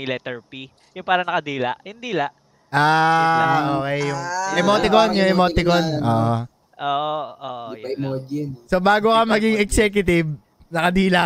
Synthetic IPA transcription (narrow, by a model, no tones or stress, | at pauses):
ɪlɛt̪ɛɹpi | jʊŋpaːɾɐnɐkɐd̪iːlɐʔhɪnd̪iːlaʔ | ʔaːʔoːkɛjjʊŋʔɛmot̪ɪkonjʊŋɛmoːt̪ɪkonʔo̰ːʔo | ʔoːʔoːʔjɐmod͡ʒɪnsobaːɡokɐmɐɡɪŋɛksɛːk̬jʊt̪ɪb | nɐkɐd̪iːla